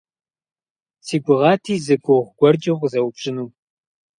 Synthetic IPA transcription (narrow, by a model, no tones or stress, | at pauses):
siːɡʷʊʁɑːtʰiːzɨɡʷʼʊʁʷɡ̥ʷɔrd͡ʒʼɐʁʷzɐwbɕʼɪnuː